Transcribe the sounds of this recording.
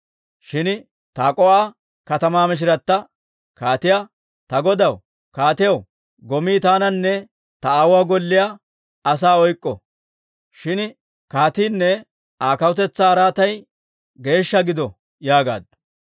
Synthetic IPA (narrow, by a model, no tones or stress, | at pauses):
ʃɪn | t̪aːkʼɔʔaː | kɐt̪ɐmaːmɪʃ̬ɪɾɐt̪ːɐ | kaːt̪ɪja | t̪ɐɡɔd̪ɐw | kaːt̪ɪjɐw | ɡɔmiːt̪aːnɐnːɛ | t̪ɐawaːɡɔlːɪja | ɐs̬aːɔjkʼːɔ | ʃɪn | kaːt̪iːnːɛ | aːkɐwʊt̪̬ɛt͡sːaːɾaːt̪ɐj | ɡe̞ːʃːɐɡɪd̪ɔ | jaːɡa̰ːd̪